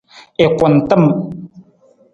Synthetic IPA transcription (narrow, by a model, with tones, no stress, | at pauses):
ɪ˨kʷʊ˨n˨tə˦m